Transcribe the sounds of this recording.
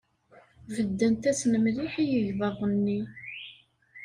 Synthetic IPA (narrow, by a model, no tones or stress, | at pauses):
vəd̪ːænt̪æsnəmliħijəʝðˤɑðˤənːi